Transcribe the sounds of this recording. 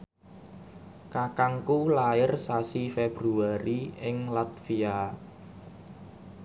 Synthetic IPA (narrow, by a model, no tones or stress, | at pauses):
kakaŋkulaɪrsasifeb̥ɾuaɾiɪŋlat̪̚fia